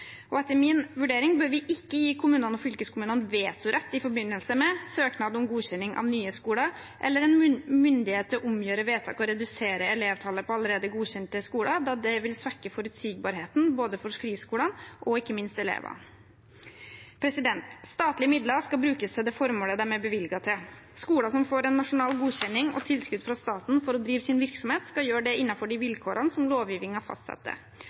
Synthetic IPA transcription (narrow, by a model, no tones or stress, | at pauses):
ɔɛt̪ːəmɪnʋʉɖeːɾɪŋbøːɾʋɪʔɪkːəjiːkʰʊmʉːnənɔfʏlkəskʰʊmʉːnənʋeːt̪ʰʊɾʔɛt̪ːɪfɔɾbɪnːəlsəmɛsøːknɑːd̪ɔmɡuːɕɛnːɪŋʔɑ̰ʋnyːəskuːlɑ | ʔɛ̰lːəɾɛnmʏnd̪ɪheːt̪ʰːʔʊmjøːɾəʋeːt̪ʰɑ̰ːkɔɾɛd̪ʉseːɾəɛleːʋt̪ʰɑləpʰɔɑləɾeːd̪əɡuːçɛnt̪əskuːlɑd̪ɑːd̪ɛʋɪlsʋæɾkːəfɔɾʉt̪siːɡ̚bɑːɾɦeːt̪n̩boːd̪əfɔɾfɾiːskuːlɑnʔɔɪkːəmɪnst̪ɛlḛːʋɑ̰ | pʰɾɛsɪd̪ɛnt̪st̪ɑːt̪lɪəmɪd̪lɑskɑlbɾʉːkəsɛd̪ɛfɔɾmoːləd̪æɾmɛbəʋɪlɡɑt̪ʰɪl | skuːlɑsɔmfoːɾɛnːɑʂʊnɑːlɡuːɕɛnːɪŋɔ̰t̪ʰɪlskʉd̪fɾɑst̪ɑːt̪n̩fɔɾɔd̪ɾiːʋəsɪnʋɪɾksɔmheːt̪skɑjøːɖɛɪnːɑfɔɖɪʋɪlkʰoːɾɑnəsɔmloːʋjiːʋɪŋhɑɾfɑ̰st̪sɑ̰t̪ːə̰